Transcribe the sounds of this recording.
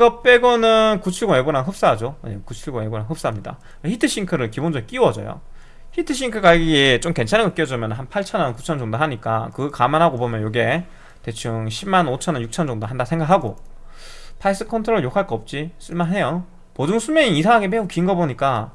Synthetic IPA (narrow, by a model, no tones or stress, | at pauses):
ɡʌp͈eɡʌnɯnkut͡ɕʰuɭɡoeɡuɾanɦɯp̚s͈aɦd͡ʑoekut͡ɕʰuɭɡoeɡoɾanɦɯp̚s͈aɦamɲida̰ | eçʰitʰɯɕ͈iŋkʰɯɾɯɭkibond͡ʑʌik͈iwʌd͡ʑʌ̰jo̰ | çitʰɯɕ̬͈ʰiŋkʰɯɡaiɡiet͡ɕ͈omke̞nt͡ɕʰaneɡʌt̚k͈iʌd͡ʑomjʌnɯnɦanpʰaɭt͡ɕʰʌnʌnkut͡ɕʰʌnd͡ʑʌŋdoɦaɲik͈a̰kɯkamanɦaɡobomjʌnjoɡe̞ | te̞t͡ɕʰɯŋɕʰibmːanot͡ɕʰʌnʌnjuk̚t͡ɕʰʌnd͡ʑʌŋdoɦandasʰe̞ŋɡakhaɡo | pʰais͈ɯ̥kʰʌntʰɯɾoɾɯɭjokʰaɭk͈ʌʌp̚t͡ɕ͈is͈ʰɯɭmanɦe̞jo | pod͡ʑuŋsʰumeɲiisʰaŋɦaɡepeukiŋɡʌboɲik͈a